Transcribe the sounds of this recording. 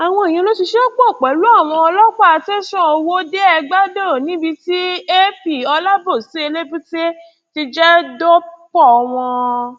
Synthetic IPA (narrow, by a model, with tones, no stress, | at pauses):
a˨w̃ɔ̃˧e˨j̃ĩ˧˦lo˦ti˧ʃe˦o˦k͡po˦˨k͡pɛ˨˦lu˦a˦˨w̃ɔ̃˧ɔ˧lɔ˦k͡pɔ˦a˧te˦sɔ̃˦o˧wo˦de˦ɛ˧ɡ͡ba˦do˦˨nĩ˨˦bi˧ti˦e˦pi˦˨ɔ˧la˦bo˦˨si˨˦e˧le˦bũ˦te˦ | ti˧d͡ʒɛ˦do˦k͡pɔ˦˨ɔ˧w̃ɔ̃˧